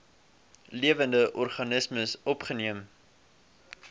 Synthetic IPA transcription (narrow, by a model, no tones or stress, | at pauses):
liəvəndəʔɔrχɐnəsməsɔpχəniəm